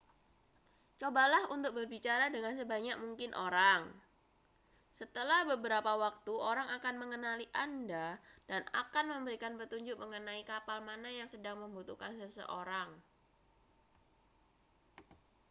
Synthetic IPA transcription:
t͡ʃobalahunt̪ʊk̚bərbit͡ʃaɾadəŋansəbaɲak̚muŋkɪnʔoɾaŋ | sət̪əlahbəbəɾapawak̚t̪uʔoɾaŋakanməŋənaliʔandad̥ana̰kanməmbəɾikanpət̪uɲd͡ʒʊk̚məŋənaikapalmanajaŋsədaŋməmbut̪ukansəsə̰ʔoɾaŋ

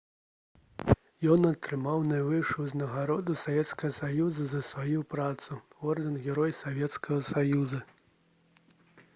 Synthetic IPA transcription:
jɔnɐt̪ɾɨmawnajvɨʂuznɐɣaɾɔd̪usavʲɛt̪skɐɣɐsajuzɐzɐsʋajupɾat̪suɔrd̪ɐnɣʲɛɾɔjsavʲɛt̪skɐɣɐsajuzɐ

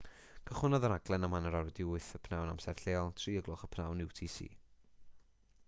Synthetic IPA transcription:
kʰəχʊnɔðəɾaɡlɛnamanəɾɔɾdɪʊθəpʰnawnamsɛv̥ɬeːɔlˠtʰriːəɡlˠʊχəpʰnawnɪwtʰiːsḭː

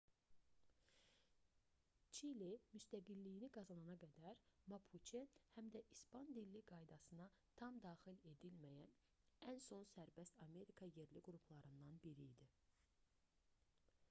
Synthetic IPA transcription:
t͡ʃʰilimyst̪æɡilːijiniɡɑzɑnɑnɑɡæd̪æɾmɑpʰut͡ʃʰehæmd̪æʔispɑnd̪ilːiɡɑjd̪ɑsɯnɑt̪ʰɑmd̪ɑːxile̞d̪ilmæjæn | ænso̞nsæɾbæst̪ɑme̞ɾikʰɑje̞ɾliɡɾupʰlˠɑɾɯnd̪ɑnbiɾijd̪i

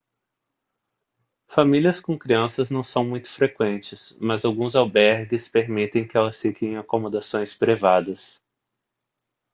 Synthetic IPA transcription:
familiɐskõkɾiɐ̃sɐznɐ̃w̃sɐ̃w̃mũj̃t̪ʊ̥fɾekwẽnt͡ʃɪsmɐzawɡũzawbɛɾɡɪspeɾmit̪ẽj̃kɪɛlɐsfikẽj̃akomod̪asõj̃spɾivad̪ɐs

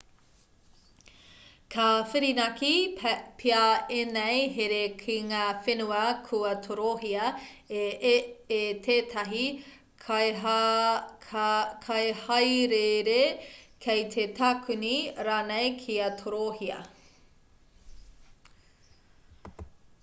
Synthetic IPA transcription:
kʰɐfiɾinɐkipʰiaenejɦeɾekʰiŋaːfenuɐkʰuɐt̪ʰoɾoɦiɐ | et̪ʰeːt̪ʰɐɦi | kʰɐjhɐjɾeɾekʰejt̪ʰetʰakʰuniɾaːnejkʰiɐtʰoɾohiɐ̰

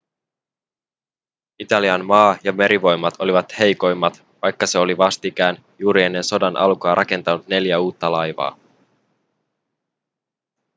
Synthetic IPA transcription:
it̪ɑliɑnmɑːjɑme̞ɾʔiʋo̞jmːɑt̪o̞liʋɑt̪he̞jko̞jmːɑt̪ | ʋɑjkːɑse̞o̞liʋɑst̪ikæːn | juːɾie̞nːe̞nso̞dɑnʔɑ̰lkɑːɾʔɑke̞nt̪ɑnut̪ne̞ljæuːt̪ːɑlɑjʋɑ̰ː

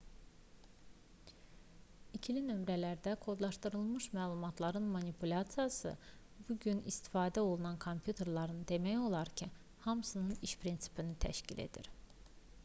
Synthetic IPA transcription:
icʰilinø̞mɾælæɾd̪ækʰo̞d̪lˠɑʃt̪ɯɾɯlˠmɯʃmæːlˠumɑt̪ʰlˠɑɾɯnmɑnipʰulʲɑt̪sijɑsɯ̰ | buɟynḭst̪i̥fɑːd̪æo̞lˠunɑnkʰo̞mpʰjut̪ʰe̞ɾlˠɑɾɯnd̪e̞mæjo̞lˠɑɾcʰi | hɑmsɯnɯniʃpʰɾinsi̥pʰinit̪ʰæ̰ʃcilḛd̪ḭɾ

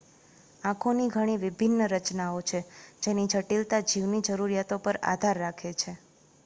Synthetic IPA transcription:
ãkʰoniɡʱəɽ̃iʋɪbʱinːəɾət͡ʃnaot͡ʃʰed͡ʒenid͡ʒʱəʈilt̪ad͡ʒiʋnid͡ʒəɾuɾjat̪opəɾa̰d̪ʱaɾːakʰet͡ʃʰe

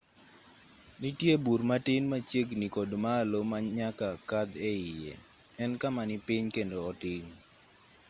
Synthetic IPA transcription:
nitjebuɾmatɪnmat͡ʃeɡnikodmaːlomaɲakakad̪ɛɪjɛ̰ | ɛnkamanɪpɪɲkendoːtɪɲ

